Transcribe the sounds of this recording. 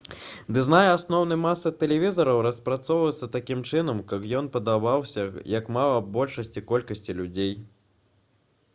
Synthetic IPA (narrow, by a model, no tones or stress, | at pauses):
d̪ɨznajɛasnɔwnɨjmasːɨt̪ɛlʲɛvʲizɐɾɐwɾɐspɾat̪sɔwvɐjɛt̪sːɐt̪akʲimt͡ʂɨnɐmkɐkjɔnpɐd̪avawsʲɐjɐkmalˠɐbɔlʲʂɐsʲt͡sʲikɔlʲkɐsʲt͡sʲilʲud͡zʲej